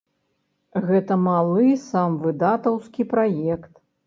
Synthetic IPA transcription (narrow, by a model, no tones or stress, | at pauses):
ɣɛt̪ɐmalˠɨsamvɨd̪at̪ɐwskʲipɾajɛkt̪